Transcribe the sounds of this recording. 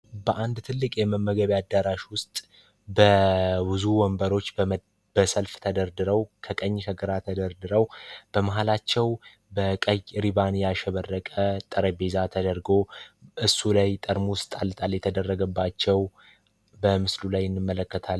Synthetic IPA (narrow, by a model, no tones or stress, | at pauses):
bəʔand̪t̪ʰɨlːɨkʼjɛməmːəɡəβad̪ːaɾaʃwʊst̪ʼ | bəbɨzuwɔmbəɾo̞t͡ʃː | bəsəlft̪ʰəd̪əɾd̪ɨɾəwkʰəkʼəɲːkʰəɡɨɾat̪ʰəd̪əɾd̪ɨɾəwb̥əmaɦalat͡ʃːɛw | bəkʼəjɾiβanjaʃɛβərːəkʼət̪ʼəɾəbezat̪ʰəd̪əɾɡo̞ʔɨsːulajt̪ʼəɾmuʊst̪ʼalt̪ʼaljɛt̪ʰəd̪ərːəɡəbːat͡ʃːɛw | bəmɨslulajɨnːɨmːələkːət̪ʰal